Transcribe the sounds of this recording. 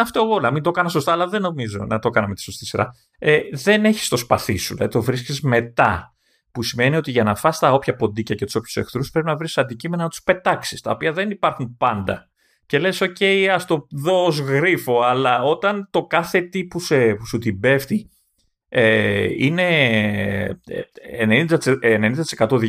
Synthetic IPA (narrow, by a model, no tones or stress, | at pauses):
ɐft̪oeɣo̞nɐmind̪o̞kɐnɐso̞st̪ɐːlɐðe̞nːo̞mizo̞̰nɐt̪o̞kɐnɐme̞t̪i̥so̞st̪isiɾɐ̰ | eðe̞ne̞çi̥st̪o̞spɐθisuðlɐðit̪o̞vɾiscizme̞t̪ɐ | pusime̞nio̞t̪iʝɐnɐfɐst̪ɐo̞pçɐpo̞nd̪icɐcet̪u̥so̞pçu̥sexθɾuspɾe̞p̬inɐvɾisɐnd̪icime̞nɐnɐt̪u̥spe̞t̪ɐksi̥st̪ɐ̰o̞piɐðenipɐɾxumpɐnd̪ɐ | ce̞le̞so̞ce̞jɐst̪o̞ðo̞ozɣɾifo̞ɐlɐo̞t̪ɐnt̪o̞kɐθe̞t̪ipusepusut̪ibe̞ft̪i | eine̞ | enenind̪ɐt̪ːnenind̪ɐt̪iskɐt̪oð